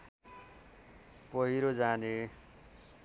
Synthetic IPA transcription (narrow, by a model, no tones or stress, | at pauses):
pʌɦiɾod͡zane